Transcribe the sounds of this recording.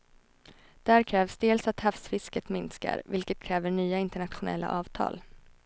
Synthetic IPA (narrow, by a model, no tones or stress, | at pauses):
d̪̥æːɾkʰɾɛːvsd̪eːlsat̪hafsfɪskət̪mɪnska̰ɾvɪlkət̪̚kʰɾɛːvəɳyːaɪnt̪əɳat̪ɧʊnɛ̰lːa̰ʔɑːvt̪ʰɑ̰ːl